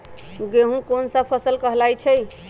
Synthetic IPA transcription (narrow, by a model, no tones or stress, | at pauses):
ɡeɦũkonsə̃pʰəsəlkəɦlajt͡ʃʰɛj